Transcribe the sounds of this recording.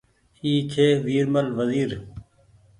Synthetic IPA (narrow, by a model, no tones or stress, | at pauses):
iːt͡ʃʰeːʋiːɾməlʋəziːɾ